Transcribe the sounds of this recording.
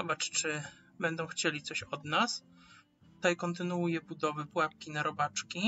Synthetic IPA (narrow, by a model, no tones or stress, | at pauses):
zɔbat͡ʂt͡ʂɘ | bɛnd̪ɔ̃w̃xt͡ɕelʲit̪sɔɕɔd̪nas | t̪ut̪ajkɔnt̪ɘnuujɛbud̪ɔvɛpwap̚kʲinaɾɔbat͡ʂkʲi